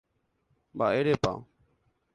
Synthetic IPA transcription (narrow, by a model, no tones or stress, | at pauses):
ba̰ːeːɽeːpã̰ː